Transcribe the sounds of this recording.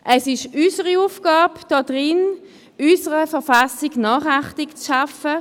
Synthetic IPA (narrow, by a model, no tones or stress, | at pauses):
ʔɛsɪʃyːsəʁiuːfɡ̥aːbd̥ɔd̥ʁɪn | ysəʁəfɛɐʁfasɪɡnɑːχaχtɪkt͡sʃafə